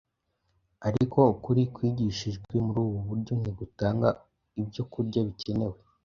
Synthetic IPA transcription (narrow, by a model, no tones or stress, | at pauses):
aɾiko̞ukuɾikwiːɟiʃiʒɡwwe̞muɾuːβuβuɾɟo̞n̥eɡutaːŋɡa | ibɟo̞kuɾɟaβice̞ne̞we̞